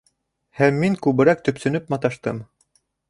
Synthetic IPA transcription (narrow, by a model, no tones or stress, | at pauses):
hæmːiŋkʉβɘ̆ɾæk̚t̪ɵ̆psɵ̆nɵpmɑt̪ɑʃt̪ɤ̰m